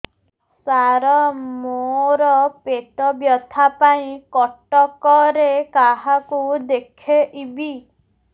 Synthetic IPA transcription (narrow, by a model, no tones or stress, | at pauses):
saɾɔmoɾɔpeʈ̪ɔbjɔt̪ʰapaĩkɔʈɔkɔɾekaɦakud̪ekʰeʔibi